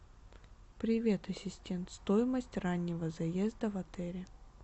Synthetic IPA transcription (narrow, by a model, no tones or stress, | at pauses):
pɾʲɪvʲe̞t̪ɐsʲɪsʲtʲe̞nt̪st̪ojɪməsʲtʲranʲːɪvəzɐjezd̪əvɐt̪ɛɾʲɪ